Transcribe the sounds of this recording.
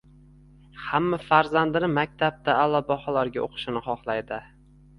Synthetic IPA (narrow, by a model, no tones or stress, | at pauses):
hamːafaɾzand̪ɪnɪmak̚ʲt̪ʰab̚t̪aːlːɒbɒχɒlaɾɡʲaʔo̰qʰɨ̥ʃɪnɪχɒχlˠajd̪ɪ